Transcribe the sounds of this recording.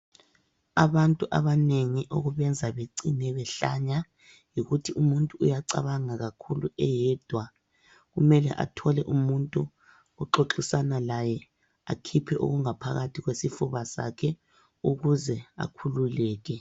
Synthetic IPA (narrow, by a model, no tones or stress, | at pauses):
aβantʼuʔaβaneŋiʔo̰ɣuβɛnd͡zʱaβeǀinɛβɛɬa̰ɲa | jiɣutʰiʔumuntʼuːjaǀa̰βaŋaɣakʰuluɛjɛd̥ʱwa | ɣumɛlɛ̰ʔa̰tʰɔlɛʔumuntʼu | uǁoǁisanalajɛ | akʰipʰɛʔo̰ɣuŋapʰaɣatʰiɣwesifuβasa̰kʰɛ | uɣuzɛa̰kʰululɛːɣɛ